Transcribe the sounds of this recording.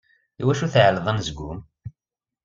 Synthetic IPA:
ḭwæʃuθʕlðˤənzɡʷṵm

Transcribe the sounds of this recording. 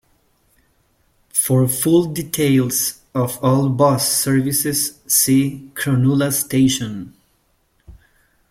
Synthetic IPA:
fɔɹfʊlˠditʰeɪlˠs | ɔvɔlˠbɔsːɜɹvisɪz̥ːikʰɹɔnulastʰeɪʃɔ̃n

